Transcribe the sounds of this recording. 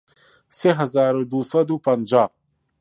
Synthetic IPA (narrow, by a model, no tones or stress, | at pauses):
seɦazaːɾod̪usad̪upand͡ʒaː